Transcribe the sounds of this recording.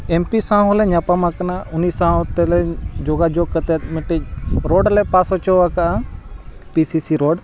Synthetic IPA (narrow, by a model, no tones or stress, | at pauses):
eːmpisãːolɛɲaːpamãkənaʊniːsãːt̪elɛd͡ʒoːɡaːd͡ʒoːɡ̚kət̪emɪʈeɾoːɖlɛpaːsot͡ʃoːʋakaʔa | piːsiːsiːɾoːɖ